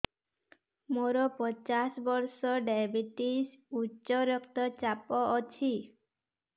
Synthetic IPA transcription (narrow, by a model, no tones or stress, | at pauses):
moɾɔpɔt͡ʃasbɔɾsɔɖabiʈisutːt͡ʃɔɾɔkt̪ɔt͡ʃapɔʔɔt͡ʃʰi